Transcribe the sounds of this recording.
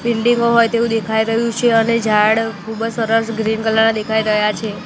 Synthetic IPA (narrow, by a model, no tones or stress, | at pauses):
bilɖiŋɡoɦojt̪eũd̪ekʰaiɾəɦjũt͡ʃʰeəned͡ʒʱaɽkʰubd͡ʒsəɾəsɡɾinkəlːanãd̪ekʰaiɾəɦjat͡ʃʰe